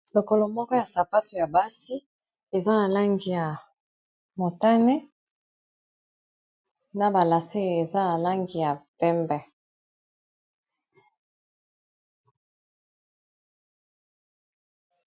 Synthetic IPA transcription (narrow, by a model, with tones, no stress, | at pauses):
lo˨ko˨lo˨mɔ˦kɔ˦ja˨sa˨pa˦tu˨ja˨ba˦si˦ | e˨za˦na˨la˦ŋɡi˨ja˨ | mo˨ta˦ne˦ | na˨ba˨la˨se˦˨e˨za˦na˨la˦ŋɡi˨ja˨pɛ˦mbɛ˨